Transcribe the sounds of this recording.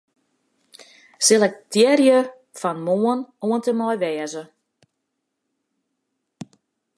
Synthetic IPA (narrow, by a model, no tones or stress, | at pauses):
sɪlˠɛk̚tɪərjə | fanmoənuəntəmɔjʋɛːəzə